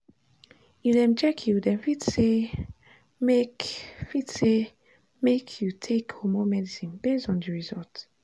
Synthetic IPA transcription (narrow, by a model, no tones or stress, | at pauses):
ifdɛ̃mt͡ʃɛkʰjudɛ̃nfitse | mekfitse | mekʰjutʰekʰomomɛdisĩnbesdɔ̃n̩dəɹizɔlt